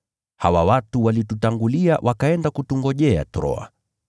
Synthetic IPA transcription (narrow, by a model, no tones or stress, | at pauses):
hawawatuwalitutaŋɡuliawʔakaɛndakutuŋɡɔʄɛa̰tɾɔ̰a̰